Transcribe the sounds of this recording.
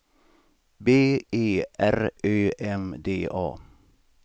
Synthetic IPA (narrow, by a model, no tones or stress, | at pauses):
beːeːʔæɾʔøːʔɛmd̪ḛːʔɑ̰ː